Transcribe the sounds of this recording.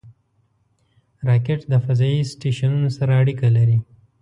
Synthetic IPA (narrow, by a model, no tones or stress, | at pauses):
ɾɑkeʈd̪əfazɑisʈeʃanunosaɾaːɽikalaɾi